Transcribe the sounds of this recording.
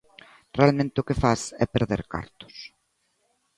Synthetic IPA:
realmẽnt̪ɪʊkɪfasɛ̰peɾðḛɾka̰ɾt̪ʊ̥s

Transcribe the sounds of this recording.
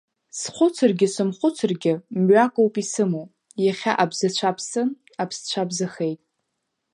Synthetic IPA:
sχʷʊt͡sʰɨrɡʲɪsɨmχʷʊt͡sʰɨrɡʲɪmɥakʷʼowpʼisɨmow | jaχʲa̰ʔabzɨt͡ɕʷʰapʰsɨn | apʰst͡ɕʷʰabzɨχejtʼ

